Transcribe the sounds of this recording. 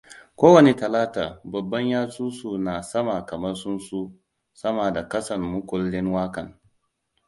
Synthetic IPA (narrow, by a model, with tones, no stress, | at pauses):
kʷoː˦wɐ˨ne˦tɐ˨laː˦taː˨bɐ˨bːɐ˦ɲjaː˦suː˦su˦˨naː˨sɐ˦maː˨kɐ˨mɐ˦rsʊ˦nsu˦ | sɐ˦maː˨da˨kɐ˦sɐ˨nmʊ˦kʷʊ˨lːɪ˦nwaː˦kɐ˨ŋ